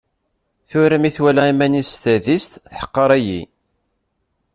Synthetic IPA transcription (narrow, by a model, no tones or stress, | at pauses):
θʊɾæmiθwælæimænist̪æðist̪θħə̥qːəɾˤæjḭ